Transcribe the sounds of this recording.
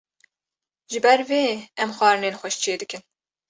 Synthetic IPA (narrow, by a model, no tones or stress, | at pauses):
ʒɨbɛɾveːɛmxʷɑːɾɨneːnxʷɛʃt͡ʃʰeːd̪ɨkɨn